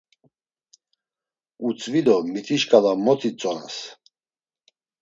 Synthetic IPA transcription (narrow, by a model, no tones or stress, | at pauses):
ut͡sʼvid̪ɔmit̪ʰiʃkʼalamɔt͡sʰʼit͡sʼɔna̰s